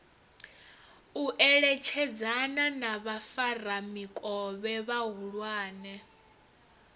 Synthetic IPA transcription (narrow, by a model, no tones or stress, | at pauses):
uʔɛɺɛt͡ʃʰɛd͡zananaβafaramikʼɔβɛβaɦuɺwaːnɛ